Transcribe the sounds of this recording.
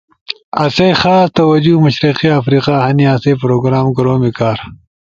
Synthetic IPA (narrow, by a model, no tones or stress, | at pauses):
ɐsejxaːst̪ɐwɐd͡ʑumɐʃɾiqiafɾiːqahɐniaseːpɾoːɡɾaːmɡɐɾoːmikaːɾ